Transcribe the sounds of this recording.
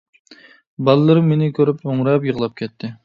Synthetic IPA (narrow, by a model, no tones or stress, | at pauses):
bɑlˠɨlˠɨɾɨmːenɪkʲʰøɾypoŋɾɛp̬jəʁlˠɑp̚kʲʰɛt̪ʰːɪ